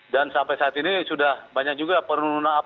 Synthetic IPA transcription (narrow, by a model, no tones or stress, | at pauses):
dansampajsaːt̪inisudahbaɲak̚d͡ʒuɡapərnununaːp